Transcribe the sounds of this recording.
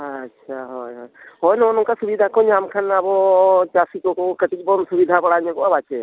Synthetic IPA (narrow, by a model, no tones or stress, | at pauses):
əʃʰaɦɔjɦɔjɦɔjnɔnɔŋkasubid̪ʱakɔɲamkʰanabɔt͡ʃasikɔkokəʈit͡ʃ̚bɔnsubid̪ʱabəɽaɲɔkɔabat͡ʃe